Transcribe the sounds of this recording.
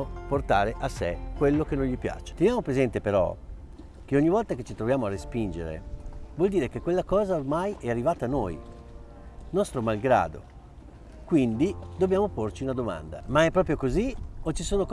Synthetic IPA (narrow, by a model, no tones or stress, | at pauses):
port̪a̰ːɾeʔasḛkwelːokenːõnʎipja̰ːt͡ʃe̥t̪enjaːmopɾezɛnt̪epeɾɔ̰ | k̟eoɲːivɔlt̪aket͡ʃit̪ɾovjaːmoarːespind͡ʒḛɾḛvwɔld̪iːɾekekːwelːakɔːzaormajʔɛarːivaːt̪anoːj | nɔst̪ɾomalɡɾa̰ːd̪o̰ | kwind̪id̪objaːmoport͡ʃiunad̪oma̰nd̪amaɛpːɾɔːp̬ɾjokoziot͡ʃːisoːnok